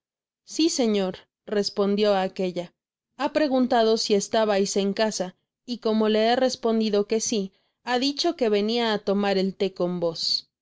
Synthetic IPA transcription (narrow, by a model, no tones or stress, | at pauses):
sise̞ɲo̞ɾ | re̞spo̞nd̪jo̞ake̞ʝa | apɾe̞ɣ̞unt̪að̞o̞sie̞st̪aβajse̞ŋkasa | iko̞mo̞le̞ere̞spo̞nd̪iðo̞ke̞si | aðit͡ʃo̞ke̞βe̞niaːt̪o̞maɾe̞lt̪e̞ko̞mbo̞s